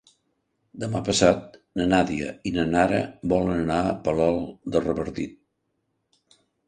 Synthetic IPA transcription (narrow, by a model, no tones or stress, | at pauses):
d̪əmapəsat̪̚ | nənaðiə̰inənaɾə̰bɔlənənaəpəlɔlˠd̪ərəβəɾt̪it̪̚